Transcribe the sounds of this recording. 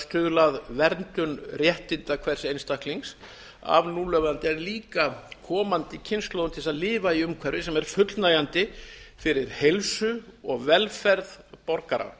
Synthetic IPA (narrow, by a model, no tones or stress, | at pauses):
st̪ʏːðʏlaðvɛɾnt̪ʏnrjɛht̪ɪnt̪akʰvɛɾ̥sejnst̪ahkliŋs | a̰vnuːlœɣant̪ɪɛɾliːkakʰɔːmant̪ɪcʰɪnsklowʏnt̪ʰɪsaðlɪːvaiʏmkʰvɛɾɪsɛmɛɾ̥fʏt̪lnaːjant̪ɪfɪɾɪɾ̥hejlsʏɔɣvɛlfɛɾðpɔɾkaɾa̰